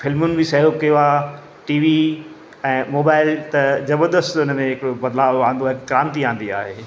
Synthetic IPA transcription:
fɪlmʊnɪ̆bɪsɐɦokɐjoaː | ʈiːʋi | ɛ̃ːmoːbaːɪlt̪ɐd͡ʑɐbəd̪əst̪ʊnəmẽɦɪkɽobɐd̪laːʋãːnd̪oɦɪkkɾãːnt̪iãːn̆d̪ia̰ːɦeː

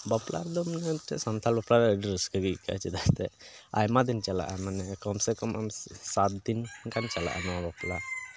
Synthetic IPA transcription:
bɔpla̰ɾd̪ɔmnaʈɛ̰sɔnt̪ʰalbɔpɾaɾɛəɖiɾəskəɡika̰t͡ʃɛd̪ast̪ɛa̰jmad̪int͡ʃala̰ʔamanɛkɔmsɛkɔma̰msat̪̚d̪inkant͡ʃala̰ʔa̰nawabɔpla

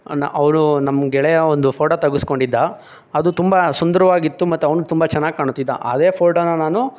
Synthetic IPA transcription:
nʔɐʋnunɐmːɡɛɭɛjɐond̪upʰoːʈoːt̪ɐɡusko̞ɳɖid̪ːɐ | ɐd̪ut̪umbɐsund̪ɐɾɐʋaːɡit̪ːumɐt̪ːuɐʋnut̪umbɐt͡ʃɛnːaːɡikaːɳut̪ːid̪ːɐ̰ʔɐ̰d̪e̞ːpʰoːʈoːnːɐnaːnu

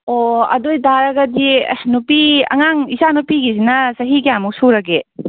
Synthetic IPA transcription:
oɐ̰dojdaɾɐɡɐdinupiɐ̰ŋaŋisanupiɡisinɐsɐɦikijamuk̚suɾɐɡe

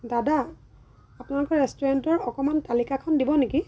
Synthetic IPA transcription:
dadaː | pʊnalokɔɹɛstɔɹantɔɹɔkɔmantalikakʰɔndibɔneki

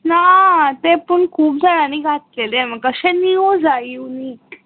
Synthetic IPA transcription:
nat̪epəɳkʰuːp̚d͡zʱaɽaniːɡʱat̪̚leleməɡkəɕɛ̃niod͡zaiuniːk

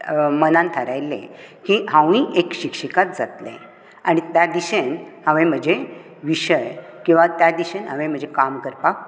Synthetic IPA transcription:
mənãnt̪ʰəɾajlːḛ̃kiɦãʋĩʔekɕikʂikat̪̚d͡zat̪lḛ̃ | aɽ̃it̪jad̪iɕenhə̃ʋẽm̤əd͡ʑe | ʋiɕəj | kĩw̃ʋat̪jad̪iɕenɦəʋẽm̤əd͡ʑʱekamkəɾpak

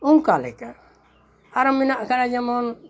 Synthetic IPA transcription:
uŋkalɛ̰ka | aɾɔminaʔkaɾad͡ʒamɔn

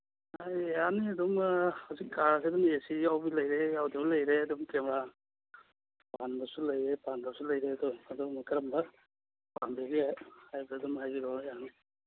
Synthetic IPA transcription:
ajjaniɐdɔmhawzikːaɾseɐdɔmesijawbilɐjɾejawdablɐjɾeɐdɔmkemɾa | panbɐsulɐjɾepanbɐsulɐjɾeɐdɔmɐdɔmkɐɾɐmbɐ | panbeɡehajbɐːdɔmhajbiɾɔjani

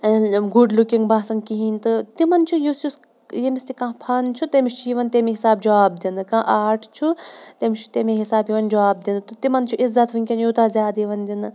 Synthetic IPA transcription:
ɡuɖlukiŋɡbaːsɐŋɡkiɦiːnt̪ɨt̪imɐnt͡ʃʰujusus | jemist̪ikãːpʰɐnt͡ʃʰut̪emiʃt͡ʃʰiʋɐnt̪emeɦisaːbd͡ʒɐʋaːb̚d̪inɨkãːʔaːʈʰt͡ʃʰut̪emit͡ʃʰu̥t̪emeɦisaːbjiʋɐnd͡ʒɐʋaːb̚d̪ind̪ɨt̪ɨt̪imɐnt͡ʃʰuʔizɐt̪ʋinʲkʲɐnjut̪aːzʲjaːd̪iʋɐnd̪inɨ

